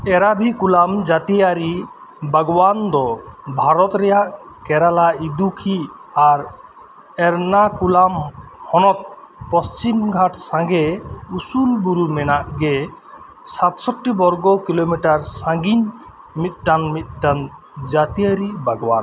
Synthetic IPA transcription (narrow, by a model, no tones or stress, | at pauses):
ɛɾabʱikulamd͡ʒat̪ijaɾi | bʱaɡɔband̪ɔbʱaɾɔt̪ɾɛjaʔ | kɛɾalaid̪ukʰi | aɾ | ɛɾnakulamhɔnɔt̪̚pɔst͡ʃimɡʱaʈsãŋɡɛusulbuɾumɛnaʔɡɛ | sat̪sɔʈːibɔɾɡɔkilomiʈaɾsãɡiɲ | mit̪̚ˀʈanmit̪̚ˀʈan | d͡ʒat̪ijaɾibʱaɡɔban